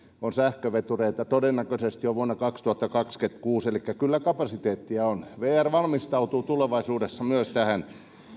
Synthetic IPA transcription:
onsæhkøʋet̪ureit̪ɑt̪odenːækøsest̪joʋuonːɑkɑkst̪uhɑt̪ːɑkɑksket̪kuːselikːækylːækɑpɑsit̪eːt̪ːiæonʋeːærʋɑlmist̪ɑut̪uːt̪uleʋɑisuːdesːɑmyøst̪æhæn

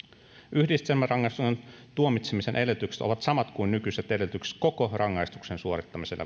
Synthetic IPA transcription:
ʔyhdist̪emːærɑŋːɑjst̪uksent̪uomit̪semise̞nʔe̞let̪ykse̥t̪o̞̰ʋɑt̪sɑmɑt̪kujnːykyset̪e̞let̪ykse̥t̪ko̞ko̞rɑŋːɑjst̪u̥ksensuoɾit̪ːɑmiselːʔɑ̰

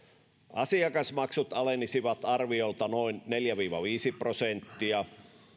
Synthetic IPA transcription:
ʔɑsiɑkɑsmɑksut̪ɑlenːisiʋɑt̪ɑrʋiolt̪ɑnoinneljæʋiːʋɑ̰ʋiːsiprosent̪ːiɑ

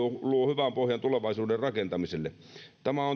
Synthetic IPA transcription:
oluohyʋæmpohjɑnt̪uleʋɑˑisuːderrɑkent̪ɑmiselːḛ | t̪æmæon

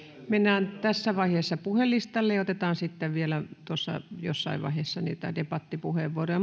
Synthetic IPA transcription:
menːæːnt̪æsːæʋɑiheːsːɑpuhelːist̪ɑlːejɑˑot̪et̪ɑːnsit̪ːeʋʋielæt̪osːɑ̰jo̰sːɑ̰iʋʋɑ̰iheˑsːɑnḭːt̪æ̰depɑt̪ːipuheʋʋuorojɑ

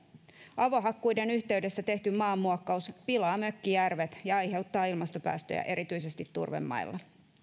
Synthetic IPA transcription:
ɑʋo̞ɦɑkːujde̞nyçt̪e̞yɥde̞sːæt̪e̞ht̪ymmɑːmːuɑkːɑuspilɑːmø̞kːijærʋet̪jɑɑjhe̞wt̪ːɑːilmɑst̪o̞pæ̰ːst̪øjæ̰ʔe̞ɾʔit̪yijse̞st̪it̪ːṵrʋḛmːɑ̰jlːɑ

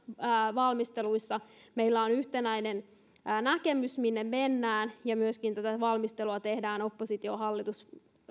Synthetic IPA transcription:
ʋɑlmist̪eluisːɑmeilːæonyht̪enæinenː | nækemysminːemmenːæːnjɑmyøskint̪æt̪æʋɑlmist̪eluɑt̪e̞hdæːno̞pːosit̪ioɦɑlːit̪us

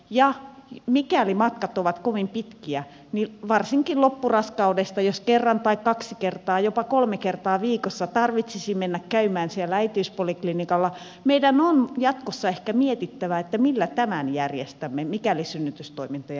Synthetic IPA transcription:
jɑmikælimɑt̪kɑt̪oʋɑt̪koʋimpit̪kiæ | niʋɑrsiŋkillopːurɑskɑudest̪ɑjoskerːɑnt̪ɑikkɑksikert̪ɑːjopɑkolmekert̪ɑːʋiːkosːɑt̪ɑrʋit̪sisimmenːækkæymæːnsielːææit̪iyspoliklinikɑlːɑ | meidænonjɑt̪kosːɑehkæmiet̪it̪ːæʋæet̪ːæmilːæt̪æmænjærjest̪æmːemikælisynːyt̪yst̪oimint̪ɑjɑ

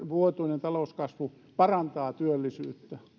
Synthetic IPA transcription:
ʋuot̪uinent̪ɑlouskɑsʋu | pɑrɑnt̪ɑːt̪yølːisyːt̪ːæ

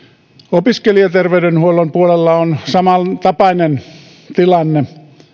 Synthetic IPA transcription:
opiskeliɑt̪erʋeydenhuolompuolelːɑonsɑmɑlt̪ɑpɑinen | t̪ilɑnːe

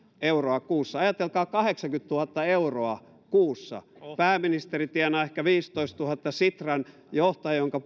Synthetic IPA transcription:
euroɑkuːsːɑɑjɑt̪elkɑːkɑheksɑŋkyt̪t̪uhɑt̪ːɑeuroɑ | kuːsːɑ̰pæːmːinist̪erit̪iænɑːehkæʋiːst̪oist̪uhɑt̪ːɑsit̪rɑn | joht̪ɑjjoŋkɑ

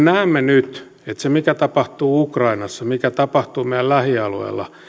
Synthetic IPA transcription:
næːmːenyt̪ | et̪semikæt̪ɑpɑht̪uːukrɑinɑsːɑmikæt̪ɑpɑht̪uːmeijællæhiɑluḛːlːɑ̰

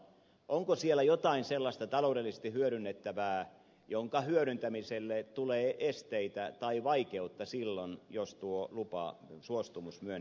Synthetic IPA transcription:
ʔoŋkosielːˑæjot̪ɑinselːɑst̪ɑt̪ɑloudelːˑise̥st̪ihyøɾynːet̪ːæʋæː | joŋkɑhyøɾynt̪æmiselːet̪uleːʔest̪eit̪æt̪ɑiʋɑikeut̪ːɑsilːonjost̪uolupɑ̰suost̪umusmyøn

